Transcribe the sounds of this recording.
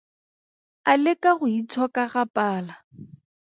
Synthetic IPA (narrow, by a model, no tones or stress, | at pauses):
alɪkʼaɣʊit͡sʰɔkʼaɣapʼaːla